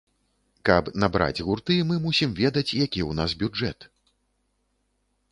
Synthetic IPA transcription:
kɐpnabɾa̰d͡zʲɣurt̪ɨmɨmusʲimvʲɛd̪ɐt͡sʲjakʲiwnasbʲud͡ʐɛ̰t̪

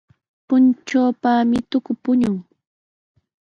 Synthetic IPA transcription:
pʊnt͡ʃoːpamɪt̪ʊkʊpʊɲʊŋ

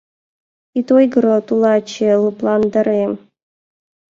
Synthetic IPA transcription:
it̪ojɡɤɾot̪ulˠɑt͡ɕelˠuplˠɑnd̪ɑ̆ɾem

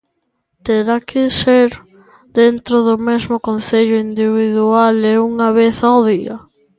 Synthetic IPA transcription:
t̪eɾakʰɪseɾ | d̪ent̪ɾoðʊmezmʊkonθeʎʊind̪iβiðualeuŋɐβeθawðiɐ

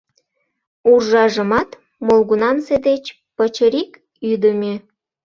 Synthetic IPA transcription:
urʒɑʒə̆mɑt̪ | molɣunɑnsed̪et͡ɕ | pət͡ɕəɾik | yd̪əmʲi

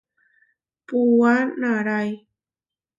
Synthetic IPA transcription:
puwanaɾaj

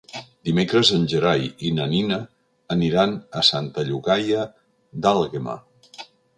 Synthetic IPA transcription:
d̪imekɾəzənʲʒəɾajinəninəː | niɾanəsant̪əʎuɣajə | d̪alˠɣema̰

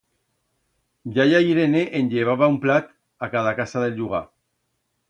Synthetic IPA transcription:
ʎajajɾeneʔenʎeβ̞aβaumplat̪ | akað̞akasaðelʎuɣa̰

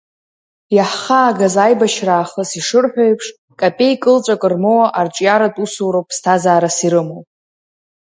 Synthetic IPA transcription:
jaħχaːɡazajbaʃraːχəsiʂɨrħʷᶣojpʰʂ | kʼapʼe̞jkʼɨlt͡ʃʷʼakʼɨrmowaʔart͡ʃʷʼjaɾatʼusuwɾowpʼstʰazaːɾasiɾɨmow

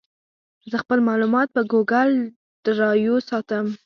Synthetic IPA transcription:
zəxpəlmɑlumɑt̪̚pəɡoɡal | d̪̥əɾɑjosɑt̪əm

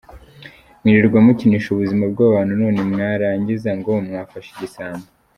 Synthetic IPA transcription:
miɾiɾɡwamuciniʃuβuzimab̚ɡaːβaβaːnunoːnemŋaːɾaːɲɟizaŋɡomŋaːfaʃeɟisaːnza

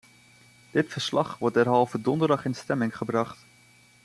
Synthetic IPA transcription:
d̥ɪtfəɹslɑχʋɔɹdɛɹɦɑlˠvədɔndəɹdɑχɪnstɛmɪŋχəbrɑχt

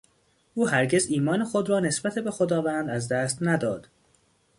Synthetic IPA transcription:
ʔuːhæɾɟe̞ziːmɒːnexod̪ɾɒːne̞sbæt̪ʰebe̞xod̪ɒːvæːnd̪æzd̪æːst̪næd̪ɒːd̪̥

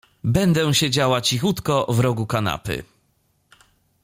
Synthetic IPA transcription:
bɛnd̪ɛ̃ɕɛd͡ʑawat͡ɕixut̪kɔvɾɔɡukana̰pɘ̰

